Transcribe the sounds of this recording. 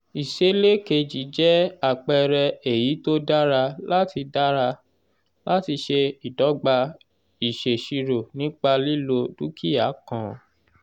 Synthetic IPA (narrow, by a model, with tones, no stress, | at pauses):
i˨ʃe˦le˦ke˧d͡ʒi˨˦d͡ʒɛ˦a˦˨k͡pɛ˧ɾɛ˧e˨ji˨˦to˦da˦ɾa˧la˦ti˧da˦ɾa˧ | la˦ti˧ʃe˧i˨dɔ˨˦ɡ͡ba˧ | i˨ʃe˨ʃi˧ɾo˨nĩ˦k͡pa˧li˦˨lo˧du˦kʰi˦a˨˦kã˨